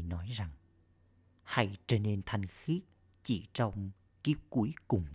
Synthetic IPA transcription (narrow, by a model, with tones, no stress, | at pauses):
nɔ˨˦jza˨˩ŋ | ha̰˧˩jt͡ɕə˧ne˧nt̪ʰa˨˧˩jŋxi˦˥ət̚ | t͡ɕi˧˩t͡ɕɔ˧wŋ͡m | ki˦˥əp̚ku˨˦jkʊ˨˩ŋ͡m